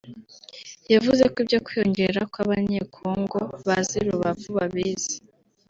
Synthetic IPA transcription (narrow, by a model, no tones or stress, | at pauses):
javuze̞kibɟokwijoɲɟe̞ɾakwaβaɲekʰoːŋɡo̞βaziɾuβavuβaβiːz̥i̥